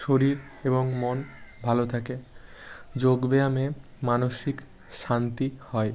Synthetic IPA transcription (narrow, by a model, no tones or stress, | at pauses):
ʃoɾiɾeboŋmonbʱalot̪ʰake | d͡ʑoɡbeame | manoʃik | ʃant̪ihɔe